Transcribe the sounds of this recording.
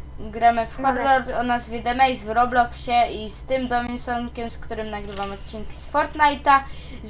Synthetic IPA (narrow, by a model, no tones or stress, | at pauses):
ɡɾamɘfxɔɾlɔɾd̪ɔnazvʲɛd̪ɛmɛjzvɾɔblɔkɕɛist̪ɘmd̪ɔmʲinsɔnkʲɛmskt̪uɾɘmnaɡɾɘvamɔt̪̚t͡ɕiŋkʲi̥spɔɾt̪najt̪a